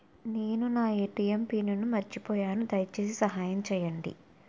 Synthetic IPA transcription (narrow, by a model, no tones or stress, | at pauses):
neːnunaːjeːʈijempiːnɐnumɐɾit͡ʃipɔːjaːnud̪ɐjɐt͡ʃeːsisɐɦaːjɐmt͡ʃɛːjɐɳɖḭ